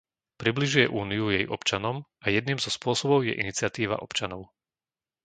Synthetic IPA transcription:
pɾibliʒujɛʔuːniujɛjʔɔ̰pt͡ʃanɔmʔajɛd̪̚niːmzɔspʊɔsɔbɔʊjɛ̰ʔḭnit͡sɪat̪iːʋa̰ʔɔpt͡ʃanɔʊ

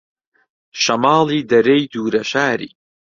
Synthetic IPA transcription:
ʃɐmɑːlˠiːd̪ɐɾejd̪uːɾɐʃaːɾḭː

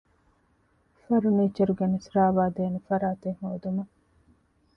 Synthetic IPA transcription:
fɐɾuniːt͡ʃːɐɾuɡenisɾaːʋaːd̪eːnufɐɾaːt̪eŋhoːd̪umɐ

